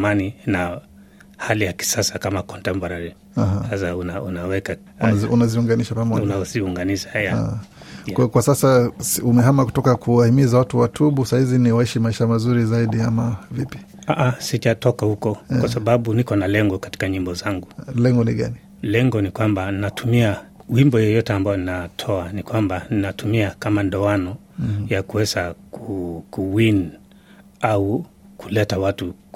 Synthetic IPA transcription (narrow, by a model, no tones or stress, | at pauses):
manina | halijaki̥sasakamakɔntɛmpɔɾaɾɛ | ahasasaunaunawɛka | nṵnaziuŋɡaniʃapamɔunaziuŋɡaniʃahajaa̰kwakwasasasumɛɦamaku̥tɔkakʰuwahimizawatuwatʰuɓusahiziniwaiʃimaiʃamazuɾizaiɗiamavipi̥ | aʔasiʄatɔkahukɔwasaɓaɓunikɔnalɛŋɡɔkati̥kaɲimbɔzaŋɡulɛŋɡɔniɠani | lɛŋɡɔnikwambanatʰumiawimbɔjɔjɔtɛambajɔninatʰɔanikwambaninatumiakamandɔanɔ | jakuwɛzakukuwin | au | kulɛtawatu